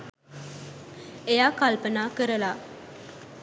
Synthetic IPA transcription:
ejaːkalpənaːkəɾəla

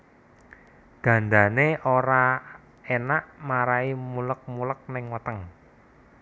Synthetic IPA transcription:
ɡ̥ä̤nd̪aneʔoɾa | enaʔmaɾaimulək̚mulək̚nɪŋwət̪əŋ

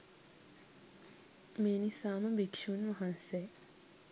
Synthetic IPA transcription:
meːnisaːməbikʂunʋɐɦanse

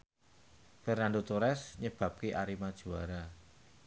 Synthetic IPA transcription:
fərnanɳdot̪uɾɛsɲəb̥a̤p̚kiʔaɾimad̥ʒ̥ṳaɾa

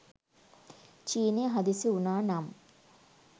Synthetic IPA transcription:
t͡ʃiːneːɦad̪isiunaːnam

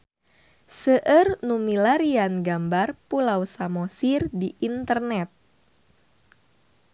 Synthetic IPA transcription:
səʔərnumilaɾianɡambarpulawsamosirdiʔint̪ərnɛt̪̚

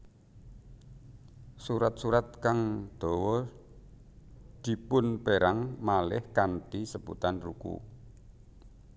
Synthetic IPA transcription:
suɾat̪̚suɾat̪̚kaŋd̪̥ɔ̤wɔ | d̪̥i̤pʊnpeɾaŋmalɪhkanʈisəbṵt̪anrṵkṵ

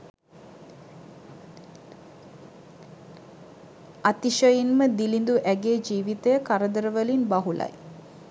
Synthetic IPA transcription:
at̪iʃəjinməd̪ilind̪uʔæɡeːd͡ʒiːʋit̪əjəkaɾəd̪əɾəʋəlinbaɦula̰j

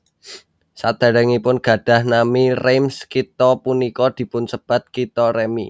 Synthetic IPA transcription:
sad̪̥a̤ɾaŋipʊnɡ̥ä̤ɖ̥ä̤hnamiremskit̪ɔpunikɔd̪̥i̤pʊnsəb̥a̤t̪̚kit̪ɔɾemḭ

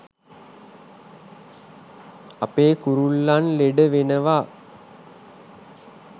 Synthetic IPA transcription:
apeːkuɾulːanleɖəʋenəʋa

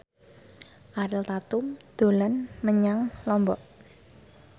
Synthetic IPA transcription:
ʔaɾɪlt̪at̪ʊmd̪̥o̤lanməɲaŋlɔmbɔʔ

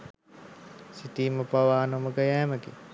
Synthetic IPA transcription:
sit̪iːməpaʋaːnoməɡəjæːməɡe

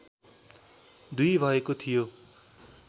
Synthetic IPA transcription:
d̪ujbʱʌekot̪ʰijo

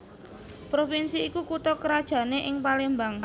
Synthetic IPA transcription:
pɾofinsiːkukut̪ɔkəɾad̥ʒ̥ä̤neʔɪŋpalembaŋ

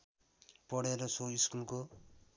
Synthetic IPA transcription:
pʌɽeɾʌsoiskulko

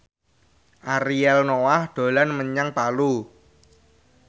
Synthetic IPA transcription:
ʔaɾiɛlnowahd̪̥o̤lanməɲaŋpalu

